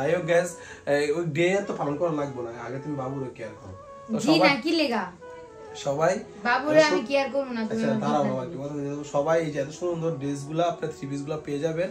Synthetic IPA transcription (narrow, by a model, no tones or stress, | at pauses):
d̪ajok̚ɡɛs | ojɖeat̪opalonkɔɾalaɡ̚bonaaɡet̪umibabuɾekeaɾkɔɾo | t̪oʃd͡ʑiɔbanakileka | ʃɔbaj | babuɾeamikejaɾkɔɾbonat̪aumiat̪aɾabʱabaɾkikɔt̪at̪oʃɔbajejd͡ʑɛt̪oʃunond̪oɾɖes̬ɡulaapnaɾt̪ʰɾibis̬ɡulapeed͡ʑaben